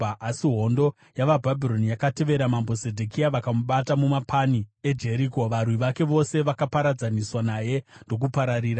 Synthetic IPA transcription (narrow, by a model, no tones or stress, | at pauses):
asiɦo̞ndo̞ | jaʋabʱabʱiɾo̞nijakate̞ʋe̞ɾamambo̞sedʱekiaʋakamuɓatamumapʰanie̞d͡ʒe̞ɾiːko̞ʋarwiʋake̞ʋo̞se̞ʋakapaɾad͡zaniswanaje̞ndo̞k̬upaɾaɾiːɾa